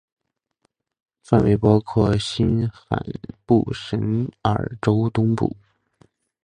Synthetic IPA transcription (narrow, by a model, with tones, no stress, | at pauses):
fa˥˩nwʔe˧˥ɪpɑ˥ʊkʰwɔ˥˩ɕi˥nxa̰˨˩npṵ˥˩ʂə˧˥nə̰˞˨˩ʈ͡ʂo˥ʊt̪ʊ˥ŋpṵ˥˩